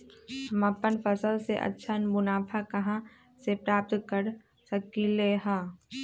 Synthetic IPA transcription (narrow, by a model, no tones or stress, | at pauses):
həmapːənpʰəsəlseʔɐ̰tːʃʰanmʊnaːpʰakɐɦã | sepɾaːp̚t̪kəɾ | səkileɦãː